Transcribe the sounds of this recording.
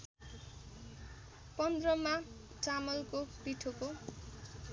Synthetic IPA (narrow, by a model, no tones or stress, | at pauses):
pʌnd̪rʌma | t͡samʌlkopiʈʰoko